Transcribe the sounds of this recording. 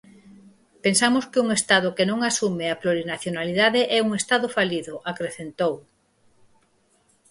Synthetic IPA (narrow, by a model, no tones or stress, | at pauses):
pensamʊskɪuŋest̪aðʊkenõŋasumeaploɾinaθjonaliðaðeʔɛuŋest̪aðʊfaliðʊʔakɾeθent̪ow